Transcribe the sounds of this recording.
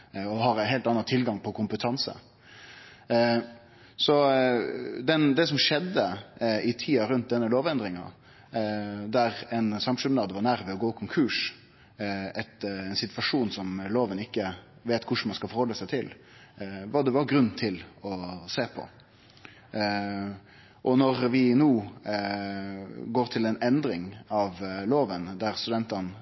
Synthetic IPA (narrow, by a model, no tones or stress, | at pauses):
ɔɦɑɾænɦeːlt̪ɑnːɑt̪ʰɪlɡɑŋpʰɔkʰʊmpət̪ʰɑnsə̰ | sɔ | d̪ɛnd̪ɛs̬ɔmʂɛd̪ːəɪt̪ʰiːɑɾʉnt̪̚d̪ɛnːəloːʋɛnd̪ɾɪŋɑ̰ | d̪æɾɛɪnsɑmʂʉmnɑːd̪ʋɑɾnæɾʋɛɔɡoːɪkʰʊŋkʰʉːʂ | ɛt̪ɛnsɪt̪ʋɑʂuːnsɔmloːʋənɪkːəʋeːt̪kʰʊʂmɑnskɑlfɔɾhɔlːəsæɪt̪ʰɪl | ʋɑd̪ɛʋɑɡɾʉnːt̪ʰɪlɔseːpʰɔ̰ | ʔɔnɔɾʋɪnuː | ɡoːɾt̪ʰɪlɛnɛnd̪ɾɪŋɑʋloːʋənd̪æɾst̪ʉd̪ɛnt̪ɑn